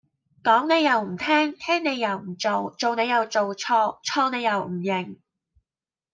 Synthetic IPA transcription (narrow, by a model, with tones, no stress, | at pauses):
kɔː˨˥ŋne˨˧jɐ˨˧wm̩˨˩t̪ʰɛː˥ŋt̪ʰɛː˥ŋne˨˧jːɐ˨˩wm̩˨˩t͡so˨wt͡ʃo˨wne˨˧jɐ˨˧wt͡ʃo˨wt͡ʃʰɔː˧t͡sʰɔː˧ne˨˧jɐ˨˩wm̩˨˩jɪ˨˩ŋ